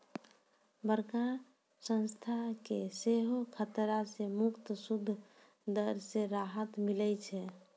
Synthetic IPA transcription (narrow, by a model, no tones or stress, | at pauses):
bəɾka | sə̃nst̪ʰakeseɦokʰət̪ɾasemukt̪sud̪ʱː | d̪əɾseɾaɦət̪milɛt͡ʃʰɛ